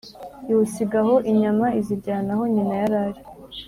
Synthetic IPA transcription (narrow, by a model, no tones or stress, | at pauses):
juusiɡaɦo̞ʔiɲamaiziɾɟaːnaɦo̞ɲinajaɾaɾi